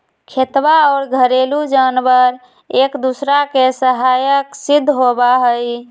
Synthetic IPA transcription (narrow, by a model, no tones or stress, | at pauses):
kʰet̪baɔːɾɡʱəɾelud͡ʒanbəɾ | ekd̪usɾakesəɦajəksid̪ʱːɦobaɦəj